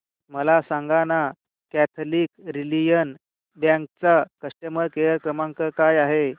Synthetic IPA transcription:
məlasãŋɡana | kæt̪ʰliːkɾilijən | bjãŋk̚t͡sakəsʈəməɾkejəɾkɾəmãŋkəkajaɦe

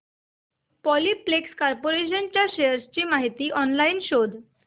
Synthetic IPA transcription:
pɔlipːlekskɔɾpoɾeɕ̬ənt͡ɕjaɕejəɾst͡ɕiːmaɦit̪iːʔɔnlaiːnɕod̪

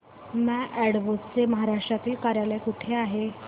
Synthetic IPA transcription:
mɛ̃ʔæɽʋot͡st͡seməɦaɾaʂʈɾat̪iːlkaɾjajljakuʈʰeaɦe

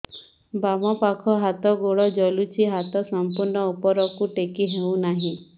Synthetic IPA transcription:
bamɔpakʰɔɦat̪ɔɡoɽɔd͡ʒɔlut͡ʃʰiɦat̪ɔsɔmpuɾɳɔupɔɾɔkuʈekiɦew̃naɦĩ

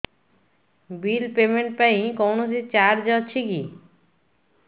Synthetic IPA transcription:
bilpemeɳʈpaĩkɔwnosit͡ɕaɾd͡ʑɔt͡ɕʰiki

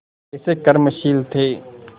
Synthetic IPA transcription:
ɪsekɐɾməʃiːlt̪ʰeː

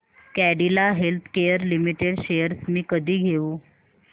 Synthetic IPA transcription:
kæɽilaɦelt̪ʰkejəɾlimiʈeɽɕejəɾsmiːkəd̪ʱiːɡʱeuː

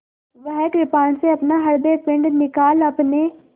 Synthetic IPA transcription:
ʋəɦɛʈɾɪpaːnseɐpnaɦɐɾb̪eɾpɪ̃ɳɖnɪkaːlɐpne

